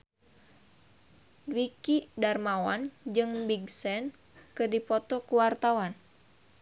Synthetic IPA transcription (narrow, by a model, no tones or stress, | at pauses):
wikidarmawand͡ʒɨŋbiɡsɛn | kɨrdipɔt̪ɔkuwart̪awan